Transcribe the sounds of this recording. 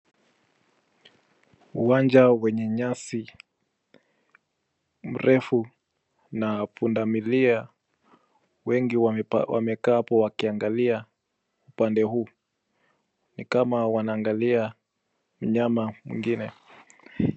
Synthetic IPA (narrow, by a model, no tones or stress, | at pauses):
uwand͡ʒawɛɲɛɲasi | m̩ɾʔɛfu | napundamilia | wɛŋɡiwa̰mɛkaːpɔwakiaŋɡalia | upandɛɦuː | nikamawanaːŋɡalia | m̩ɲamamwḭŋɡinɛ